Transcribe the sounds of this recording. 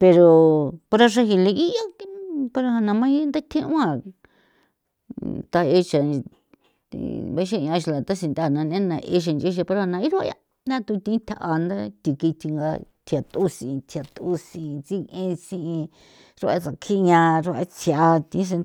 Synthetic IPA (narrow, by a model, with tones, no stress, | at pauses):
pe˧ɾo˧po˧ɾa˧ʂa˧ɦi˧le˧i˦ʔa˦pa˧ɾa˧ha˧nã˧mã˦i˦nd̪a˦t̪ʰĩ˦ũ˦ã˧˨ | t̪a˧e˦t͡ʃa˨˧ | βe˧˦ʃ̬a˦˧˨ã˧ʃi˧la˨t̪a˦s̬ĩ˧nd̪a˦˨nã˧nẽ˦nã˧ʔḛ˧˦ʃ̬a˧nd͡ʒe˦ʃ̬a˧pe˧ɾo˧a˧nã˧i˦ɾu˦a̰˧a̰˧ | nã˦t̪u˧t̪ĩ˧˦t̪ʰa˧˨ʔa˧nd̪a˦t̪i˧ki˧t̪ʰi˧ŋɡa̰˧t̪ʰi˧˨a˨t̪u˦sĩ˨˧t̪ʰa˨t̪u˦sĩ˨˧t͡si˦ẽ˦sĩ˦˧ĩ˧ | ɾu˧˦a̰˧˦t͡sa˨kʰi˦˧ɲã˧ɾo˦˧a̰˧˦t͡si˧aa˧t̪ĩ˧˦s̬e˧